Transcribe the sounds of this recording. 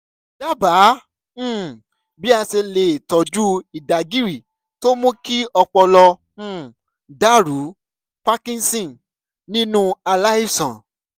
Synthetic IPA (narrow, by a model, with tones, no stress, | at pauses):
da˦˨bã˨˦˨ | bi˦a˧se˧le˨tɔ˨d͡ʒu˦i˨da˨ɡi˦ɾi˨ | to˦mũ˦ki˦ɔ˧k͡pɔ˧lɔ̃˧˦˨ | da˦˨ɾu˨˦ | pa˦kĩ˧n˦sĩ˦˨n | nĩ˦nũ˦a˧la˦i˦sã˨